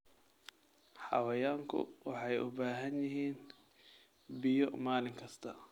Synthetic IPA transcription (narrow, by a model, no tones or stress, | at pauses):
ħɑ̰wɐjaːŋkʰʊ̰wɑħɑjʔʊ̰baːɦɐnjɪɦiːn | bɪjɔmaːlɪŋkʰɐst̪ʰɐ